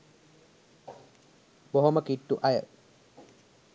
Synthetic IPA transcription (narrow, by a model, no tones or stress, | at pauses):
boɦoməkiʈːuʔajə